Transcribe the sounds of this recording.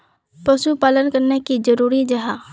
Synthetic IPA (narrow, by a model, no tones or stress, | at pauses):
pɐʃupaːlənkəɾnekid͡ʒɐɾuːɾid͡ʒɐɦa